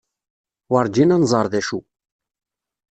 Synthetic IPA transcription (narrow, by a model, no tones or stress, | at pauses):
wɑɾˤd͡ʒinænzˤɑɾˤðæʃu